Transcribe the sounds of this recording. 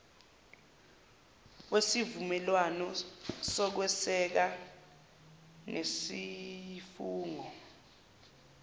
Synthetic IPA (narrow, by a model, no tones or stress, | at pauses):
wesivumɛlwanɔsɔk̬wɛsɛk̬a | nʔesifuːŋɔ